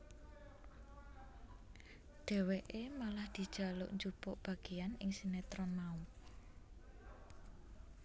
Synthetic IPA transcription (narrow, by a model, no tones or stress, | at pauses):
ɖ̪̥ɛ̤weʔemalahd̪̥i̤d̥ʒ̥a̤lʊ̰ʔɲd͡ʒupʊʔb̥ä̤ɡ̥e̤janɪŋsinet̪ɾɔnmaup